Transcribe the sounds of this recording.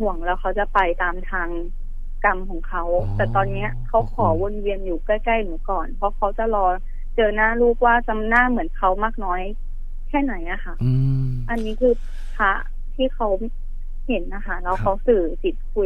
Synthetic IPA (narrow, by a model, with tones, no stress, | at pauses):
hu˨˩˦əŋlɛː˧˥wkʰa˦˥wt͡ɕa˨˩pa˧jt̪aː˧mt̪ʰaː˧ŋ | ka˧mkʰɔː˨˩˦ŋkʰa˦˥wt̪ɛː˨˩t̪ɔː˧nːi˦˥ɐkʰa˦˥wkʰɔː˨˩˦wo˧˨nwi˧ənjuː˨˩kaː˥˩jka˥˩jnu˩˦kɔː˨˩npʰɔ˧˥kʰa˦˥wt͡ɕa˨˩lɔː˧ | t͡ɕɤː˧naː˥˩ɾuː˥˩k̚waː˥˩t͡ɕa˧mnaː˥˩mɯ˩˦ənkʰa˦˥wmaː˥˩k̚nɔː˦˥j | kʰɛː˥˩na˨˩˦jʔa˨˩xa˥˩ʔ | ʔa˧nːiː˦˥kʰɯː˧ | pʰa˦˥ʔ | t̪ʰiː˥˩kʰa˦˥w | he˩˦nʔa˧˩kʰa˦˧˩lɛ˧˩wkʰa˦˥wsɯː˨˩si˨˩˦t̪̚kʰu˧˩